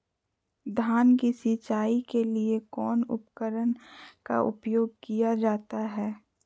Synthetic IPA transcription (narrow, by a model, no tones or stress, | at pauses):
d̪ʱaːnkisit͡ʃaːikeliekɔːnʊ̰pkəɾənka̰ʔʊ̰pjoːɡ̚kijad͡ʒaːt̪aɦɛː